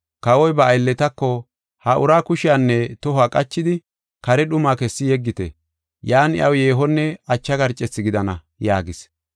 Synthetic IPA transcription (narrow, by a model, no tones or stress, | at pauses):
kɐwɔjbɐːjlːɛt̪ɐkːɔ | hɐʔʊɾaːkʊʃɪjanːɛt̪ɔhaːkʼɐt͡ʃːɪd̪ɪ | kɐɾɛɗʊmaːkɛsːɪjɛɡːɪt̪ɛ̰ | jaːnɪ̰ʔɐwjeːɦɔnːɛɐt͡ʃːɐɡɐɾt͡ʃʼːɛt͡sːɪɡɪd̪ɐnɐ | jaːɡɪs